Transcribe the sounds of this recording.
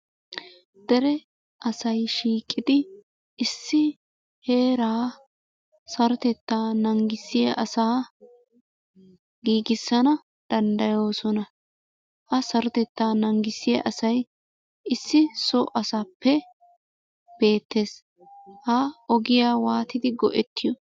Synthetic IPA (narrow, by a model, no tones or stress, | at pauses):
d̪̥ɛɾɛ | ʔɐsɐjʃiːkʼːɪd̪ɪ | ɪsːɪ | he̞ːɾaː | sɐɾɔt̪ɛt̪ːaːnɐŋɡɪsɪjɐʔɐsaː | ɡiːɡɪsːɐnɐ | d̪̥ɐnd̪ɐjo̞ːsɔnɐ | hɐsɐɾɔt̪ɛt̪ːaːnɐŋɡɪsːɪja̰ʔɐsɐj | ɪsːɪsɔʔɐsaːpːɛ | b̥e̞ːt̪ːe̞ːs | hɐɔɡɪjaːwaːt̪ɪd̪ɪɡɔ̰ʔɛt̪ːɪjɔ